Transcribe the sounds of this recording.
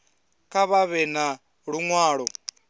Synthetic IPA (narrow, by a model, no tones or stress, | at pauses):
kʰʼaβaβɛna | ɺuŋwaːɺɔ